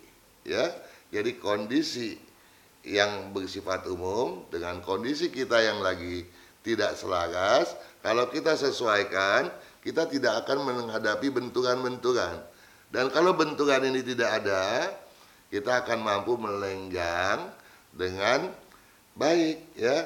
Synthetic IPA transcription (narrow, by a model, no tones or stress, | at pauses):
jad͡ʒadikondisi | jaŋbərsifat̪umʊmdəŋankondisikit̪ajaŋlaɡit̪idaʔsəlaɡaskalawkit̪asəsuajkankit̪at̪idakːkanməŋɦadapibənt̪uɾanbənt̪uɾan | dankalawbənt̪uɾaninit̪idakːda | kit̪aːkanmampumələŋɡaŋ | dəŋan | baɪk̚ja